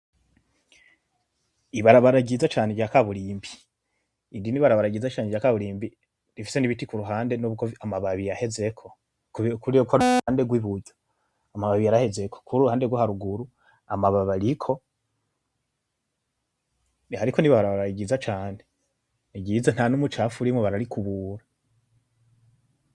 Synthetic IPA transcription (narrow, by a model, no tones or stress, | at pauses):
iβaɾaβaɾaɟizat͡ʃaːneɡɟjakaβuɾiːmbi̥ː | ndiniβaɾaβaɾaɟizat͡ʃaːneɟakaβuɾiːmbi | ɾifi̥se̞niβitikuɾuɦaːnde̞noβuɡoamaβaβijahe̞ze̞kʰo̞ | kukuɾiokʰoande̞ɡwiβuɟo | amaβaβijaɾahe̞ze̞kʰo̥kʰuɾuɾuhaːnde̞ɡwohaɾuɡuɾu | amaβaβaɾikʰo̞ | nihaɾikʰoniβaβɾaβaɾaiɡizat͡ʃaːne | niɡizan̥hanumut͡ʃafuɾimweβaɾaɾikʰuβuːɾa